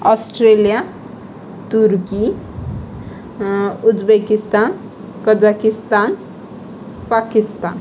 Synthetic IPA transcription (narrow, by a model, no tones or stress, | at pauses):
ɔsʈɾelija | t̪uɾki | ud͡ʒbekist̪an | kʌd͡ʒakist̪an | pakist̪an